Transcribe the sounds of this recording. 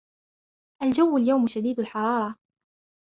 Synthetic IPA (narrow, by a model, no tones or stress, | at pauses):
ʔald͡ʒawːaljawmʃad̪iːd̪alħɑɾˤɑːɾˤɑ